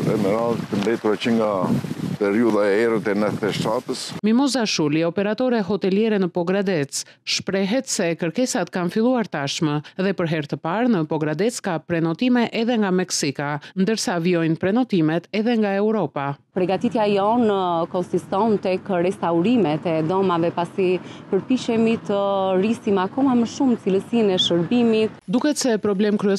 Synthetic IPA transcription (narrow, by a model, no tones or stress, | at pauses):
ɾɛmɛɾalt̪ənd̪ɛt̪uɾɛt͡ʃəŋɡapɛɾiuðaɛɛɾət̪ɛnɛθt̪ɛʃt̪at̪əsmimɔzaʃuliɔpɛɾat̪ɔɾɛɦɔt̪ɛljɛɾɛnəpɔɡɾad̪ɛt͡sʃpɾɛɦɛt̪sɛkəɾkɛsat̪kanfilˠuaɾt̪aʃməðɛpəɾɦɛɾt̪əpaɾnəpɔɡɾad̪ɛt͡skapɾɛnɔt̪imɛʔɛðɛŋɡamɛksikand̪əɾsaviɔjnpɾɛnɔt̪imɛt̪ɛðɛŋɡaɛwɾɔpapəɾɡat̪it̪jajɔnəkɔnsist̪ɔnt̪ɛkəɾɛst̪auɾimɛt̪ɛd̪ɔmavɛpasipəɾpiʃɛmit̪ərisimakɔmaməʃumt͡siləsinɛʃəɾbimit̪̚d̪ukɛt̪sɛpɾɔblɛmkɾyɛ